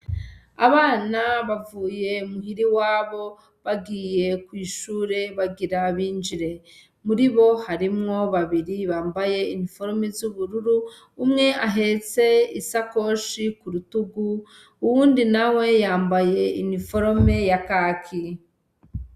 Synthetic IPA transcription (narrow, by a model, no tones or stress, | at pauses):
a̰βaːnaβavuːje̞umuhiɾiwaːβo̞ | βaɡiːje̞kwiːʃuːɾe̞βaɡiɾaβiːnd͡ʒiɾe̞ | muɾiβo̞haɾimŋo̞βaβiɾiβaːmbaje̞inifo̞ɾomezuβuɾuɾuː | mŋe̞ʔaɦe̞t͡se̞isako̞ʃikuɾutuɡu | uwuːndinawe̞jaːmbaje̞inifo̞ɾome̞jakakʰi